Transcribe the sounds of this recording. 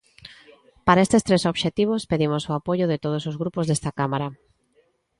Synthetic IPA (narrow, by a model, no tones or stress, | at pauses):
paɾaest̪est̪ɾesoβʃet̪iβ̞ospeðimosoapoʝʊðɪt̪oð̞osozɣɾupozðest̪akamaɾa